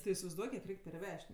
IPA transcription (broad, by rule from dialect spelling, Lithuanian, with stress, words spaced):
tʲɪ ɪsʲɪʋɐɪzˈduɔk kʲiɛk ˈrʲɛɪkʲ pʲɛrʲˈʋʲɛʃʲtʲ